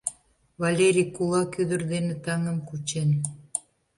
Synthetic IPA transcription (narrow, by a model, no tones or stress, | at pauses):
βɑlʲeɾʲikulɑkyd̪ə̆rd̪enĕt̪ɑŋə̆mkut͡ɕen